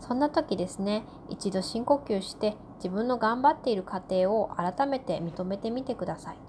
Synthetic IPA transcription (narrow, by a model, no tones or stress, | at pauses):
sõ̞nːat̪o̞kʲid̪e̞sɨne̞ | it͡ɕid̪o̞ɕĩŋko̞kʲɨːɕi̥t̪e̞ | d͡ʑibɯ̟̃nːo̞ɡãmbat̪ːe̞iɾɯ̟kat̪e̞ːo̞ʔaɾat̪ame̞t̪e̞mʲit̪o̞me̞t̪e̞mʲit̪e̞kɯ̟d̪asai